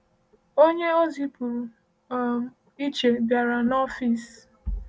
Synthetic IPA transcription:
o˦ɲe˦o˦zi˦pu˨˦˨ | m | i˦t͡ʃe˨ɡa˨ɾa˨nɔ˦fi˨s

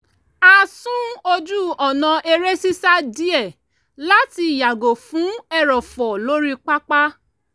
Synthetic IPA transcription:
a˧sũ˦o˧d͡ʒu˦ɔ˨nã˨ʔe˧ɾe˦si˦sa˦di˦ɛ˦˨ | la˦ti˧˨ja˨ɡo˨fũ˨˦ɛ˦ɾɔ˨fɔ˨lo˦ɾi˦k͡pa˦k͡pa˦

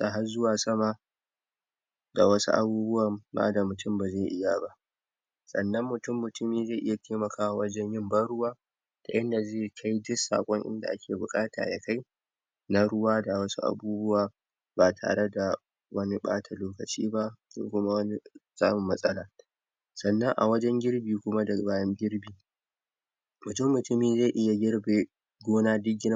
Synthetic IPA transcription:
ta˨ɦa˦zʊ˦waː˨sɐ˦ma˨ | da̰˨wɐ˦sṵ˦ʔa̰˨buː˦bʊ˦wa˨ba̰ː˦da˨mʊ˨tʊ˦mba˨zeː˦˨ʔɪ˦ja˨ba˦ʔ | sʼɐ̰˨nːɐ˦mːʊ˨tʊ˦˨mːʊ˨tʊ˦miː˨zeː˦˨ʔɪ˦ja˨tʰeː˦mɐ˨kʰaː˦wa˦wɐ˦d͡ʒɛ˦ɲjɪ˦mbɐ˦ɽʊ˦waː˦ | ta̰˨ʔɐ˦nda˨zeː˦˨kʰa˦jdʊ˦sa̰ː˨kʷʼɔ˦ŋʔɪ̰˦nda̰˨ʔa˦kʲʰeː˨bʊ˨kʼaː˦tʰa̰ː˨ja̰˨ka˦j | na˦ɽʊ˦waː˦da˨wɐ˦su˦ʔa̰˨buː˦bʊ˦waː˨ | baː˨tʰa̰ː˨ɽe˦da˨ | wɐ˦ni˦ɓa̰ː˦tʰa˨loː˦kɐ˨t͡ʃḭː˦ba˦so̰˨kʷʊ˦ma˦wɐ˦ni˦zaː˦mʊ˨mːɐ˦sʼɐ˦laː˨ | sɐ˨nːɐ˦ŋʔa̰˨wɐ˦d͡ʒɛ˦ŋɡʲɪ˦ɽbiː˨kʷʊ˦ma˦dɐ˨baː˦jɐ˦ŋɡʲɪ˦ɽbiː˨ | mʊ˨tʊ˦mːʊ˨tʊ˦miː˨˦ze˦˨ʔɪ˦ja˨ɡʲɪ˦ɽbe˨ | ɡʷoː˦naː˦dɪ˦ɡʲːɪ˦n˦

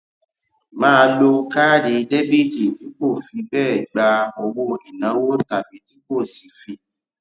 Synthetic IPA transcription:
mãː˦˧lo˧ka˦˨di˨˦de˦bi˦˨ti˨ti˨˦k͡po˦˨fi˧bɛː˦˨ɡ͡ba˧ɔ˧wo˧i˨nã˨˦wo˦˨ta˨bi˨˦ti˨˦ko˦˨si˨˦fi˧

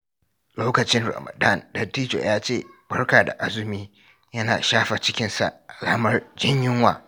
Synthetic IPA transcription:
loː˦kɐ˨t͡ʃɪ˦nɾɐ̰˨mɐ̰˨da˦˨ndɐ˨tiː˦d͡ʒo̰˨jaː˦t͡ʃeː˦˨bɐ˦rkaː˨da̰˨ʔa˦zʊ˨˦miː˦ | jɐ˦na̰ː˨ʃaː˦ɸa˨t͡ʃɪ˦kʲɪ˦nsa̰˨ʔʔa˨laː˦mɐ˦rd͡ʒɪ˦ɲjɪ˦ŋwa̰ː˨

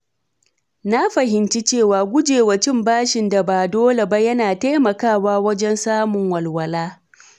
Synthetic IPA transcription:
na˦ɸɐ˨ɦɪ˨nt͡ʃi˦t͡ʃeː˦˨waː˨ɡʷʊ˦d͡ʒeː˨wa˨t͡ʃɪ˦˨mbaː˦ʃɪ˨nda˨baː˨doː˦le˨ba˦jɐ˦naː˨ta˦jmɐ˨kaː˦˨waː˦wɐ˦d͡ʒɛ˦nsaː˦mʊ˨ŋwɐ˨lwɐ˨laː˦

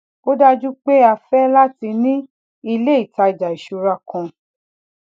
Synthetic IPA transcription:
o˦da˦d͡ʒu˦k͡pe˦a˧fɛ˦la˦ti˧nĩ˦ | i˧le˦i˨ta˧˨d͡ʒa˨i˨ʃu˧ɾa˦˨kɔ̃˧

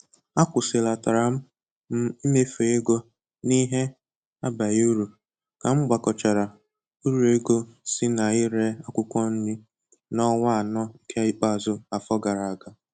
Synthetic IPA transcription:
a˦kʷʊ˨se˨la˨ta˨ɾa˨m̩˦ | i˦me˦fe˨e˦ɡo˦ | ni˦ɦe˦ | a˦ba˨ju˦ɾu˨ | ka˨ŋ͡m̩˦ɡ͡ba˨kɔ˨t͡ʃa˨ɾa˨ | u˦ɾu˨e˦ɡo˦sɪ˦na˨i˦ɾe˦a˦kʷʊ˦kʷɔ˦n̩˦ni˦ | nɔ˦ŋa˦a˨nɔ˦i˦kʰe˦i˦k͡pa˦˨zʊ˦a˨fɔ˦ɡa˨ɾa˨a˨ɡa˨

